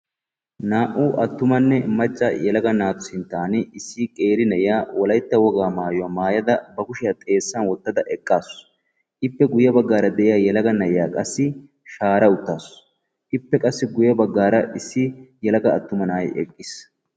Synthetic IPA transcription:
naːʔuːʔɐt̪ːʊmɐnːɛmɐt͡ʃʼːɐjɛlɐɡɐnaːt̪ʊsɪnt̪ːaːnɪɪsːɪkʼeːɾɪnɐʔɪjaːwɔlɐjt̪ːɐwɔɡaːmaːjʊwaːmaːjɐd̪ɐbɐkʊʃɪjat̪ʼe̞ːsːɐnwɔt̪ːɐd̪ɐʔɛkʼːaːs | ʔɪpːɛɡʊjːɐbɐɡːaːɾɐd̪ɛʔɪjaːjɛlɐɡɐnɐjja̰ːkʼɐsːɪ | ʃaːɾɐʊt̪ːaːs | ʔɪpːɛkʼɐsːɪɡʊjɐbɐɡːaːɾɐʔɪsːɪjɛlɐɡɐːt̪ːʊmɐnaːjɛ̰kʼːɪs

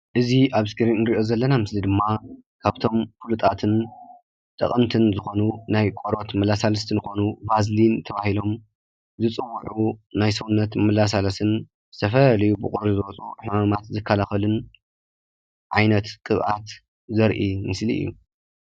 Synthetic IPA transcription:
ʔɨziʔaβskʰɨɾinnɨɾiʔo̞zɐlːɐnamɨslid̪ɨmːa | kʰaβt̪ʰo̞mfulut̪ʼat̪ʰɨn | t̪ʼɐ̰qʼɐmt̪ʰɨnzɨxo̞nunajkʼoɾo̞t̪mɐlasalɐst̪ʰinɨxo̞nubazlint̪ʰɐβahilo̞m | zɨt͡sʼɨwːuʕunajsɐwnːɐt̪mɨlas̬alɐsɨn | zɨt̪ʰɐfɐlɐlɐjubɨkʼoɾuzɨwɔt͡sʼoħumamat̪zɨkʰːalaxɐlɨn | ʕajnɐt̪kʼɨβʔat̪ | zɐɾʔimɨslḭʔɨ̰jːṵ

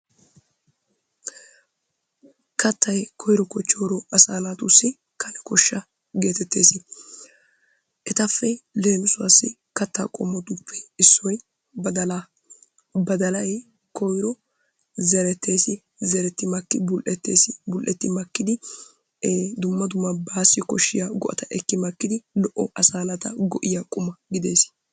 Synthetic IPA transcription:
kɐt̪ːɐjkʰɔjɾɔkɔt͡ʃːoːɾɔɐsaːnat̪ʊsːɪ | kʰɐnɛkɔʃːɐ | ɡe̞ːt̪ɛt̪ːḛːsɪ | ʔɛt̪ɐfːɛle̞ːnʊsʊa̰sːɪ̰ | kɐt̪ːa̰ːkʼɔmːɔt̪ʊpːɛɪsːɔj | bɐd̪ɐl | bɐd̪ɐlɐj | kɔjɾɔ | zɛɾɛt̪ʰːe̞ːsɪ | zɛɾɛt̪ːɪmɐkːɪbʊlʔɛt̪ːḛːsɪbʊlʔɛt̪ːɪmɐkːɪd̪ɪ | d̪ʊmːɐd̪ʊmːɐbaːsːɪkɔʃːɪjaɡɔʔɐ̰t̪ɐʔɛkːɪmɐkːɪd̪ɪlɔʔɔʔɐsaːnɐt̪ɐɡɔʔɪjɐkʼʊmɐɡɪd̪eːsɪ̥

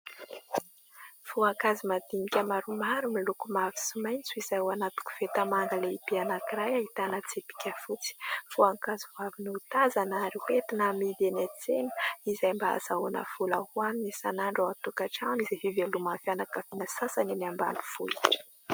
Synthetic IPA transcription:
fuaŋkazimad̪inikʲəmaɾumaɾumilukumavisimajnt͡suizajwanat̪u̥ku̥v̥et̪amaŋɡ̪əleibianakiɾajaɦit̪anət͡sepi̥kʲəfut͡si̥fuaŋkazivaviniut̪azanaɾihet̪inamid̪enat͡senə̥izajmbaa̰zaona̰fulahuaminisanaɳɖ͡ʐaat̪ukaʈ͡ʂanizafivelumanfjanakafinəsasaniniamba̰nu̥fṵi

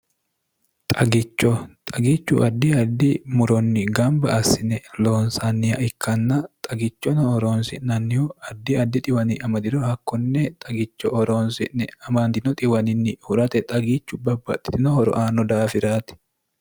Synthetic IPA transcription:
t̪ʼɐɡɪt͡ʃːɔt̪ʼɐɡit͡ʃːʊ̰ʔɐd̪ːiɐd̪ːɪmʊɾɔnːɪɡɐmbɐɐsɪnɛloːnsanːɪjɐɪkːɐnːɐt̪ʼɐɡɪt͡ʃːɔnɐɔɾoːnsɪ̰ʔnɐnːɪjuɐd̪ːɪɐd̪ːɪt̪ʼɪwɐnɪʔɐmɐd̪ɪɾɔhɐkːɔnːɛt̪ʼɐɡɪt͡ʃːɔʔɔɾoːnsɪ̰ʔnɛɐmand̪ɪnɔt̪ʼɪwɐnɪnːɪhʊɾɐt̪ɛt̪ʼɐɡiːt͡ʃːʊbɐbːɐ̰t̪ʼːɪ̥t̪ɪnɔhɔɾɔ̰ʔaːnɔd̪aːfɪɾaːt̪ɪ̥

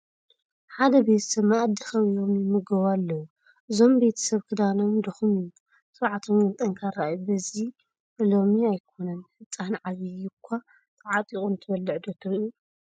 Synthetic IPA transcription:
ħad̪ɐbe̞t̪ʰɐ̥sɐβmːaad̪ːixɐwijo̞mjɪmɨɡɐβalːɐwu | ʔɨzo̞mbe̞t̪ʰɐ̥sɐβkʰɨd̪anomd̪ɐxumju | sʼɨβʕat̪ʰomnɨt̪ʼɐŋkʰaɾajubɐzi | ɨlo̞miajkʰo̞nɐnħɨt͡sʼːanʕaβijɪkʷʰːa | t̪ʰʼɐʕat̪ʼikʼunt̪ʰɐbɐlːɨʕd̪ot̪ʰɨɾu

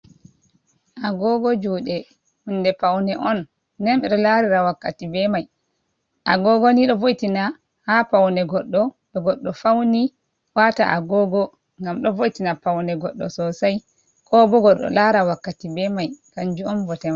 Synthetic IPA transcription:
ʔaɡɔɡɔd͡ʒuːɗɛ | hundɛpawnɛʔɔnː | ɛnɓɛɗɔlaɾiɾawakːatibɛmaj | ʔa̰ɡɔɡɔniɗɔvojitina | hapawnɛɡɔɗːɔɓɛɡɔɗːɔfawni | wata̰ʔa̰ɡɔɡɔ | ŋɡamɗɔvojitinapawnɛɡɔɗːɔ̰sɔsaj | kʰɔbɔɡɔɗɔ̰laɾawakːatibɛmajkaɲd͡ʒuɔnvɔtɛma

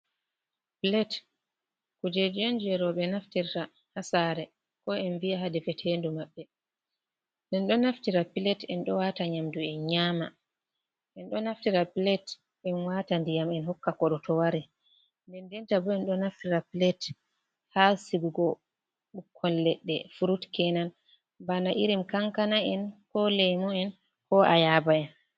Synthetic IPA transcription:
plɛt | kud͡ʒɛd͡ʒɛnd͡ʒɛɾɔɓɛnaftiɾta | hasaɾɛ | kɔɛnviaɦadɛfɛtʰeːndumaɓːɛ | dɛnɗɔnaftiɾapilɛtɛnɗɔwaːtaɲamduɛnɲaːma̰ | ʔɛnɗɔnaftiɾapilɛt | ɛnwatandijamɛnhɔkːakɔɗɔtɔwaɾɛ | ndɛndɛntabɔɛnɗɔnaftiɾapilɛt | hasiɡuɡɔ | ɓukʰːɔlːɛɗːɛ̰fuɾutkɛnan | banaʔiɾimkaŋkanaɛnkɔlɛjmɔɛn | kɔʔa̰jaːbaɛn

